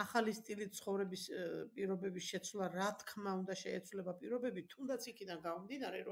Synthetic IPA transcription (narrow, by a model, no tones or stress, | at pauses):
aχalist̪ʼilit̪̚sʰχɔvɾɛbispʼiɾɔbɛbisʃɛt̪sʰwlˠaɾat̪ʰkʰmaund̪aʃɛɛt̪sʰwlɛbapʼiɾɔbɛbit̪ʰund̪at̪sʰikʰid̪anɡamɔmd̪inaɾɛɾɔ